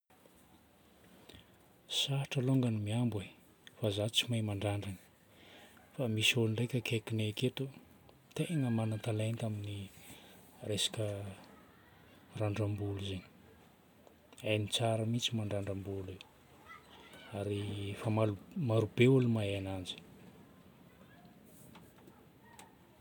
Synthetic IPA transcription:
saʈ͡ʂəloŋɡanimiambwe | fazat͡simajmaɳɖ͡ʐaɳɖ͡ʐani̥ | famisuluɳrejkʲəkʰekineket̪u | t̪eŋəmanat̪alajnt̪amini | resḁkə | raɳɖ͡ʐambuluzeni̥ | ajnit͡saɾəmit͡simaɳɖ͡ʐaɳɖ͡ʐambule | aɾifamalumaɾubeulimajanand͡ʒi̥

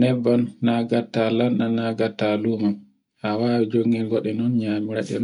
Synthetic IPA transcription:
nɛbːanːaɡatːalananaɡatːaluman | hawaːwɛd͡ʒoŋɡɛlɡɔɗɛnɔnɲamiɾaɗɛ̰n

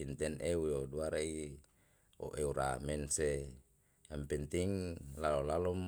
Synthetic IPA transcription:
int̪ɛneujoduaɾai | o̰ʔeuɾa̰mɛnse | jampɛnt̪iŋlalɔlalɔm

